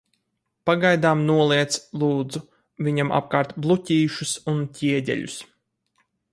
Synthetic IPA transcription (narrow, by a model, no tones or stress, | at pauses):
paɡajd̪aːmnuɔlˠiɛt̪slˠuːd̪zu | vʲiɲamʔa̰p̚kaːɾt̪blˠucʲiːʃusuncʲiɛɟʲɛ̰lʲṵs